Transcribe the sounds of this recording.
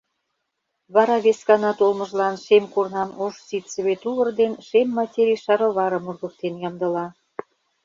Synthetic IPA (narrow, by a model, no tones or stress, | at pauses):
βɑɾɑβeskɑnɑt̪olmə̆ʒlɑnʃemkornɑmoʃsit̪sə̆βet̪uɣə̆rd̪enʃemːɑtʲeɾiʃɑɾɤ̆βɑɾɤ̆murɣək̚t̪enjɑmd̪ɤ̆lɑ